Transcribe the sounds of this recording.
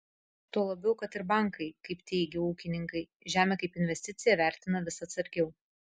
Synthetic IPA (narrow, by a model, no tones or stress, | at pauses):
t̪uɔlˠɐbʲɛʊkɐt̪ɪɾbɑˑŋkʰɐɪkɐɪpt̪ʲɛɪɡʲɪuːkʲɪnʲɪŋkɐɪ | ʒʲæːmʲɛːkɐɪpɪnʲʋʲɛsʲt̪ʲɪt̪sʲɪjɛʋʲæˑɾʲt̪ʲɪnɐʋʲɪsɐt̪sɐɾʲɡʲɛʊ